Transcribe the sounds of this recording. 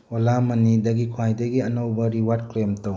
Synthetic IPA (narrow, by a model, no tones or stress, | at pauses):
ɔlamɐnidɐɡikʰuajdɐɡiɐnɐwbɐɾiwad̚klemtɐw